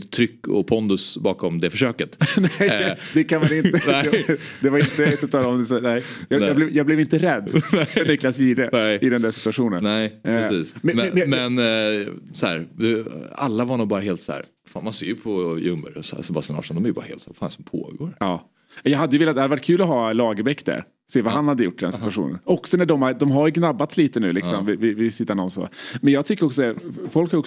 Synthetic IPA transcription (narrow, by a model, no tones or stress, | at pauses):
t̪ʰɾʏkːɔ̰pʰɔnd̪ʊsbɑːkɔmd̪ɛfœʂøːkət̪nɛjd̪ɛkʰanmanɪnəɛɛd̪ɛvaɾɪnt̪əɛsɔt̪ʰɑːlaɔmd̪ɛsɛnɛɪjɑɑːblɛvjɑːɡblɛvɪnt̪əɾɛd̪ːɛnʏkːlasiːd̪ɛnɛɪʔɪd̪ɛnd̪æsɪt̪ɵaɧuːnənnɛɪɾɛsiːsmɛmɛmɛn | sɔhæ̰ːɾd̪ɛa̰lːavaɳuːbɑːɾaɦeːlt̪sæ̰ːɾ | fa̰ːnmanseːɾjɵpʰɔjɵmːə̰ɾssɛbast̪anɑ̰ːʂɔnd̪ɔmɛjʏbɑ̰ɾahḛːlsæːɾfaːnsɔmpʰo̰ːɡo̰ːɾɑː | jɑːɦad̪ːəjʏvɪːlat̪had̪əvaʈkʰʉːlɔɦɑːlɑːɡəbɛkːd̪æ̰ɾ | seːvaɦanhad̪ːəjʊʈːɪd̪ɛnssɪt̪ɯaɧṵːnə̰nɔksɔnæɖɔmaɾd̪ɔmɦaɾjɵɡnabːat̪sliːt̪ənʉ̟ːlɪksɔmvɪvɪvɪsɪt̪ːanɳɔmso̰ːmɛnjɑːɡt̪ʰʏkːəɾɔksɔd̪ɛfɔlkhaɾɔk